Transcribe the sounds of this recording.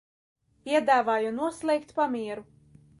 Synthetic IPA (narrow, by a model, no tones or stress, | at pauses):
pʲiɛd̪aːvaːjunuɔslˠɛjkt̪pamʲiɛɾu